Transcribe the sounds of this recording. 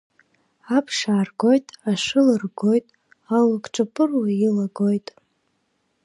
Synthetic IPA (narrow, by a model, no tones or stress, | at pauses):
apʰʂaːrɡo̞jtʼaʂɨlɨrɡo̞jtʼ | alakʼʈ͡ʂʷʼapʼɨrwailaɡo̞jtʼ